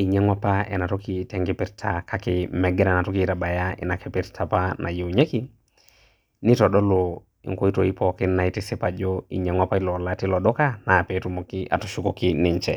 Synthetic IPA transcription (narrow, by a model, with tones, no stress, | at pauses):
i˨ɲɛ˦ŋwa˦pa˦ɛ̰˨na˨tɔ˦ki˦tɛ˨ŋɡɪ˦pɪ˦ɾtʰa˨kʰa˦kɪ˨mɛ˨ɡɛ˦na˨na˨tɔ˦ki˦ta˨ba˨ja˦ɪ̰˨na˨kɛ˦pɪ˦ɾtʰa˨pa˦nʔa̰˨je˨u˨ɲe˦ki˦ | ni˦tɔ˨ɗɔ˦lɔ˨ | ḭ˨ŋko˦i˦to˨i˦pɔ˨kɪ˦nːa˨i˦tɪ˦sɪ˦pa˨d͡ʒɔ˦ḭ˨ɲe˨ŋwa˦pa˦i˦lɔ˨la˦ti˦lɔ˨ɗɔ˦ka˦na˨pɛ˨tu˦mo˨ki˦ʔa̰˨tɔ˨ʃu˦ko˨ki˦nɪ˨ɲt͡ʃɛ̰˨